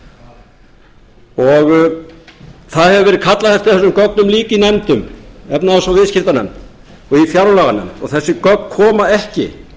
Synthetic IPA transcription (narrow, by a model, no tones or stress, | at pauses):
ɔɣ | θaðhɛvʏvɛɾɪðkʰat̪laθɛft̪ɪ̥θɛsʏmkœknʏmliːcɪinɛmt̪ʏmɛpnaðasvavɪðscɪft̪anɛ̰mt̪ | ɔɣifjaɾlaɣanɛ̰mt̪ɔ̰ɣθɛsːɪkœk̪̚kʰɔːmaɛhcɪ̰